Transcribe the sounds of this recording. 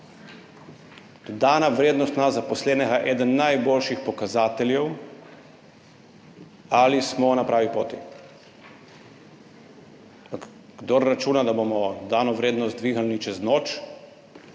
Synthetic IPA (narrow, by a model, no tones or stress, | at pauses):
d̪̥od̪aːnaʋɾeːd̪nɔst̪nazapɔslɛːnɛɡaʔɛːd̪ənːajboːlʃixpɔkazaːt̪ɛljɛw | alismɔnapɾaːʋipo̰ːt̪i | apak | ɡ̥d̪oɾːat͡ʃuːnad̪abomɔd̪d̪aːnɔʋɾeːd̪nɔst̪d̪ʋiːɣalnit͡ʃɛznoːt͡ʃ